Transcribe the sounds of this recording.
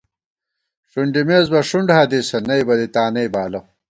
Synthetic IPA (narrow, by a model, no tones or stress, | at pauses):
ʂuɳɖimeːzbɐʂuɳɖhad̪isɐnɐjbɐd̪it̪aːnɐjbaːlɐ